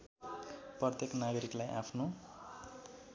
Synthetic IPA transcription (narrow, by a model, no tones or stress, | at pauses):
prʌt̪jeknaɡʌɾiklajʔa̰pʰno